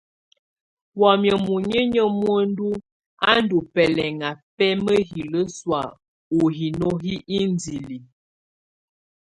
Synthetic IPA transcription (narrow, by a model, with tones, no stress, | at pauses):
wɔ˨mjə˨mu˨ɲə˦ɲə˦mwo˦n˦du˦ | a˦n˦du˨pɛ˨lɛ˨ŋa˨pɛ˦mə˦ɦi˨lə˦swa˨ | u˨ɦi˨no˦ɦi˦i˦n˦di˨li˨